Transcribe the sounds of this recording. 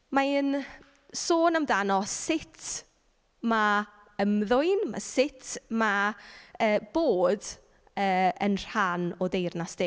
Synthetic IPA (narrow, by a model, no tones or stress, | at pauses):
maɪn | soːnamdanɔssɪtʰ | ma | əmðʊjnma̰sɪtʰma | əːb̥oːd | əːənr̥anɔdejrnasd̥ɪ